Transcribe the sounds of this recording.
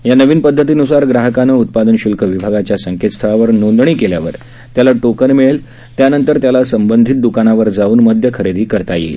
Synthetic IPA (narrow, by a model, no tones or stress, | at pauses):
janəʋiːnpəd̪ʱːət̪̬iːnusaɾɡɾaɦəkanəut̪̚pad̪ənɕulkʰəʋibʱaɡat͡ɕjasəŋket̪st̪ʰəaʋəɾnond̪ɳ̃iːkeljaʋəɾ | t̪jalaʈokənmiɭel | t̪janənt̪əɾt̪jalasəmbənd̪ʱiːt̪̚d̪ukanaʋəɾd͡zauːnməd̪ʱjəkʰəɾed̪iːkəɾt̪ajḛi